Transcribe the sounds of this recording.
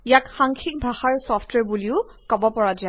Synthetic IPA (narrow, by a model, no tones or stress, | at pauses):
ijakxaŋkʰik̚bʱaxaɹsɔfʰtwɛɹbuliʊ | kɔbɔpɔɹad͡ʒa